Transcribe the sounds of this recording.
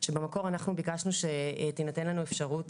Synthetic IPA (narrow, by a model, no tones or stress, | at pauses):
ʃe̞bemako̞ʁanaχnubikaʃnuʃe̞t̪inate̞nlanue̞fʃaʁut